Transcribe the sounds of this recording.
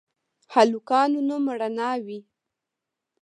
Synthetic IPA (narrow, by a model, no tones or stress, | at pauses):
halukɑnunoməɽanɑwi